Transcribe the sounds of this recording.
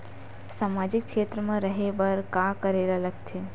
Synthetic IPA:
saːmaːd͡ʒɪkkʃeːt̪ɾəmẽɾəɦebəɾkakəɾeːlalɐɡt̪ʰeː

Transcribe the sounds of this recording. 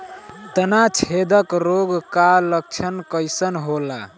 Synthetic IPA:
t̪ənat͡ʃʰed̪əkɾoɡkalək̚t͡ʃʰənkəjsənɦola

